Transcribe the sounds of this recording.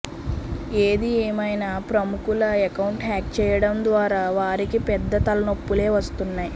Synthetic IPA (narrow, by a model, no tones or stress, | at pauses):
eːd̪ieːmɐjnaːpɾɐmukulɐɛkɐwɳʈɦaːk̚t͡ʃɛːjɐɽɐmd̪ʋaːɾaːʋaːɾikipɛd̪ːɐt̪ɐlɐnopːule̞ːʋɐst̪unːaːji